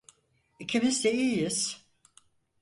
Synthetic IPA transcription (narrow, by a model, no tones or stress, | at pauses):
icʰimizd̪eiːjiz̥